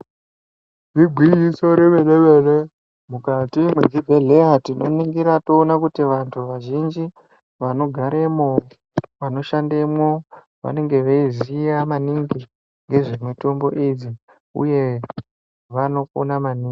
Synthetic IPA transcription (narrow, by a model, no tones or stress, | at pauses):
riɡʱwijiso̞ɾeʋeɗeʋe̞le | mukatimwed͡zibʱeɮeatino̞̰niŋɡiɾatoːnakutiʋantʰuʋaʒind͡ʒi | ʋano̞ɡʱaɾe̞mo | ʋano̞ʃandemwo | ʋa̰ne̞ŋɡe̞ʋeizijamaniŋɡi | ŋɡe̞ʐemweto̞mbo̞̰ʔid͡zi | ṵje̞ | ʋano̞konamaniːŋɡi